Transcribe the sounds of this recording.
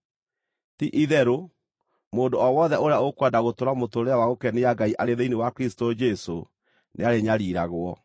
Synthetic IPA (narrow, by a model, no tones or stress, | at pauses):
tiʔiðɛɾo | moːndoɔwɔðɛoɾeaokwadaɣotoɾamotoɾeawaɣokɛneaɡaiʔaɾeðeinewakeɾistod͡ʒɛso | neaɾeɲaɾiːɾaɣwɔ